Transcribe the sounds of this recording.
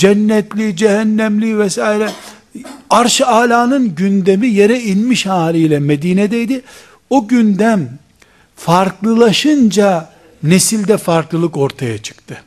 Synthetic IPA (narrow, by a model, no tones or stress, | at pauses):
d͡ʒɛnːɛt̪lʲid͡ʒɛɦænːæmlʲivɛsaːiɾɛ | aɾʃaːlʲaːnɯnɟynd̪emijeɾɛinmiʃhaːɾʲijlʲɛmed̪iːned̪ɛjd̪i | oɟynd̪æm | faɾklˠɯlˠaʃɯnd͡ʒa | ne̞silʲd̪ɛfaɾklˠɯlˠɯko̞ɾt̪ʰajat͡ʃʰɯ̥kt̪ʰɯ